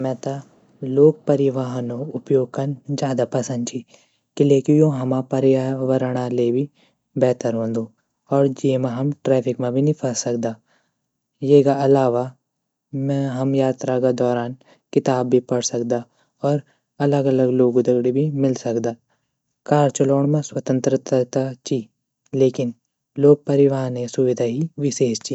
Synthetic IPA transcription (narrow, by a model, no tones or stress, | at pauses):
mɛ̃ːt̪a | loːɡ̚pɐɾɪʋaːɦnõʊpjoːɡ̚kɐnd͡ʒjaːd̪apɐsə̃nd̪̚t͡ʃʰi | kɪlekijõɦɐmapɐɾɪaʋəɾɽ̃alebʱi | bɛːt̪əɾɦõːnd̪oː | ɔːɾd͡ʒiːmãɦɐmʈɾɛːpʰɪkmẽbʱinĩpʰəsɐk̚d̪aː | jeːkaɐlaːʋa | mɛ̃ɦɐmjaːt̪ɾakad̪ɔːɾaːn | kɪt̪aːbːʱipɐɽsɐkd̪a | ɔːɾ | ɐləɡɐləɡloːɡod̪ɐɡɽibʱimɪlsɐkd̪aː | kaːɾt͡ʃɐloːɳ̃mẽswɐt̪ə̃nt̪ɾət̪t̪at͡ʃi | leːkɪn | loːɡ̚pɐɾɪʋaːɾnesʊʋɪd̪ʱaɦiʋɪʃeːʃt͡ʃi